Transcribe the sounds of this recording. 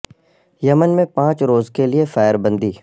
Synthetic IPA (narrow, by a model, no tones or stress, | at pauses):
jɐmənmẽpãːt͡ʃɾoːzkeliefɛːɪɾbɐ̃nd̪iː